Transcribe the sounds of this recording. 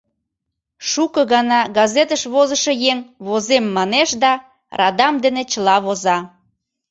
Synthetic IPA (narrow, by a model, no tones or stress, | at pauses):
ʃukəɣɑnɑɡɑzet̪əʃβozəʃɤjeŋβozemːɑneʃd̪ɑ | rɑd̪ɑmd̪enet͡ɕəlɑβozɑ